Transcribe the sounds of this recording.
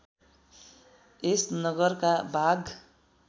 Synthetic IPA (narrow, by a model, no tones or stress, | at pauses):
esnʌɡʌrkabʱaɡ